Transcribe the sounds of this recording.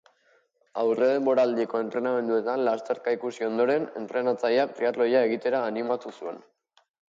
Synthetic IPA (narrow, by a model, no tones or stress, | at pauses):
awre̞ðe̞mbo̞ɾaːld̪iko̞e̞nt̪ɾe̞name̞nd̪ue̞t̪anlast̪e̞ɾkaikusio̞nd̪o̞ɾe̞ne̞̰nt̪ɾe̞nat͡sajapɾiat̪lo̞jae̞ɣ̞it̪e̞ɾaːnimat̪usue̞n